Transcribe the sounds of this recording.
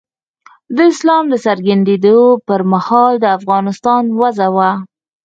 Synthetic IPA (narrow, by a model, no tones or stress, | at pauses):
d̪əɪslɑmd̪əsaɾɡand̪ed̪opəɾmahɑld̪əafɣɑnɪst̪ɑnwazawa